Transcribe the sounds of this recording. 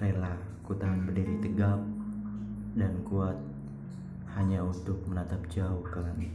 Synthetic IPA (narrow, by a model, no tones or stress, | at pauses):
rela | kut̪anbədiɾit̪əɡam̚ | dankuat̪̚ | haɲaunt̪ʊk̚mənat̪ap̚d͡ʒauhkan